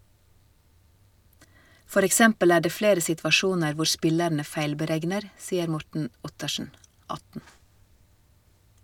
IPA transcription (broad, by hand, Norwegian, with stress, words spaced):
ˈfɔɾ ɛkˈsɛmpəl ˈæː ˈɖeː ˈfleːɾə sɪtʋɑˈʃuːnəɾ ˈʋʊ ˈʃpɪlæɳə ˈfæɪlbəˌɾɛɡnəɾ ˈsiːəɾ ˈmɔʈɳ̩ ˈʊtəʃɳ̩ ˈɑtn̩